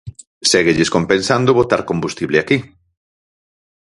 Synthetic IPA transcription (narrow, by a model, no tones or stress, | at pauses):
seɣeʎɪskompẽnsand̪ʊβot̪aɾkombust̪iβlɪaki